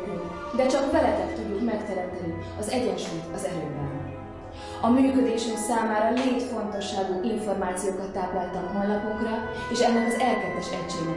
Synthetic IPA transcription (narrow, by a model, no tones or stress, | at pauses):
d̪ɛt͡ʃɒkbɛlɛkɛt̪t̪uɟːukmɛkt̪ɛɾɛnt̪ɛni | ɒzɛɟɛnʃuːjt̪ɒzɛløːbɛn | ɒmyːkø̞d̪eːʃyŋksaːmaːɾɒleːt̪fo̞nt̪o̞ʃːaːɡuːʔiɱfo̞rmaːt̪sijoːkɒt̪ːaːplɒlt̪ɒmɦo̞nlːɒpuŋkrɒ | eːʃɛnːɛkɒzɛlkɛpːɛʃɛcʃeːɡɛ